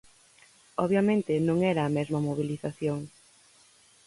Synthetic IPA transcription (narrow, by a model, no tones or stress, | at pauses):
ɔβjɐmẽnt̪ɪnõŋɛɾɐːmɛzmɐmoβ̞iliθaθjoŋ